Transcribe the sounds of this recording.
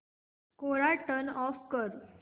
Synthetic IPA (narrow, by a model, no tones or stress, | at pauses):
koɾaʈənɔfkəɾ